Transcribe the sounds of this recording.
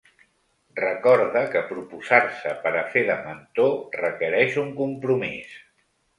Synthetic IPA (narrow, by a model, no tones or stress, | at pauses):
rəkɔɾðəkəpɾupuzaɾsəpəɾəfeðəmənt̪orəkəɾɛʃuŋkumpɾumis